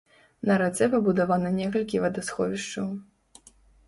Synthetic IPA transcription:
nɐɾat̪sɛpɐbud̪avanɐnʲɛkɐlʲkʲivɐd̪asxɔvʲiʂt͡ʂɐw

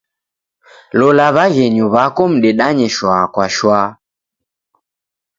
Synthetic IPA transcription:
lɔlaβaɣɛɲuβakɔm̩ɗɛɗaɲɛʃwakwaʃwaː

